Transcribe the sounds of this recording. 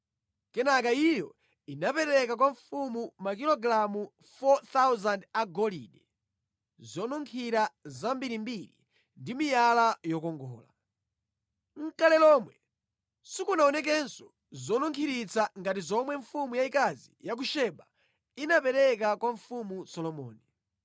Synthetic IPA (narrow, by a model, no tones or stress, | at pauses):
kɛnakaijɔ | inapɛɾɛkak̬waɱfumumak̬ilɔɡɾamu | fɔt̪awzandaɡɔlḭɗɛ | zɔnuŋkʰiɾazambiɾimbiɾḭ | ndimijalajɔkɔŋɡɔ̰ːla̰ | ŋ̩kalɛlɔmwɛ | sikunaɔnɛk̬ɛnsɔ | zɔnuŋkʰiɾit͡saŋɡatizɔmwɛɱfumujaikazḭjak̬uʃɛɓa | inapɛɾɛk̬akwaɱfumusɔlɔmɔ̰ːni